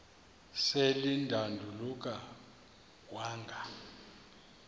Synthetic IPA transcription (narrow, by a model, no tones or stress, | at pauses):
selindʱandʱuluk̬ʼa | waːŋɡʱa